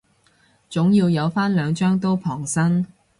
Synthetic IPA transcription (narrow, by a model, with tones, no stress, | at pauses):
t͡sʊ˨˥ŋjiː˧wjɐ˨˧wfaː˥nlœː˨˧ŋt͡ʃœː˥ŋt̪̬o˥wpʰɔː˨˩ŋsɐ˥ŋ